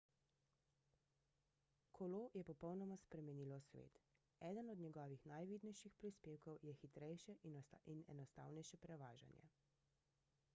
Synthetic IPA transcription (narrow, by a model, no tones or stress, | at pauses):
kʰɔloːjɛpɔpɔwnɔmaspɾɛmɛniːlɔsʋḛːt̪ | ɛːd̪ənɔd̪nɲɛɡɔːʋixnajʋiːd̪nɛjʃixpɾispeːwkɔwjɛxit̪ɾɛjʃɛʔinɛ̰nɔst̪a̰ːwnɛjʃɛpɾɛʋaːʒa̰njɛ̰